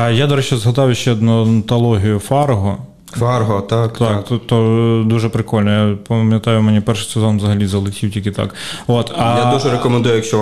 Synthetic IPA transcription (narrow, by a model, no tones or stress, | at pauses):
jad̪ɔɾɛt͡ʃɛzɦɐd̪ɑwʊʃt͡ʃɛd̪nʊnt̪ɐlˠɔɦʲijʊfɑrɦɔ | farɦɔt̪akt̪akt̪t̪ɔd̪uʒɛpɾɪkɔlʲnɔjapɐmʲjɐt̪ɑjʊmɛnʲipɛrʂɪ̥sʲɐzɔnʋzɐɦɐlʲizɐlˠɪkʲiwtʲilʲkit̪ɑ̰kot̪ɐjad̪uʒɛɾekɔmɛnd̪ujʊjɐkʃt͡ʃɔ